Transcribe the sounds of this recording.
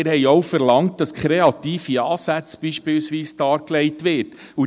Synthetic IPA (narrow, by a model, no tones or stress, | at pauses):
ɪɾhɛjɔwfɛɾlɑŋt̚d̥ɑskχɾeɑt̪iːfiɑːsæt͡sb̥iːʃpɪwsʋiːstɑːɾkleɪtʋɪɾd | u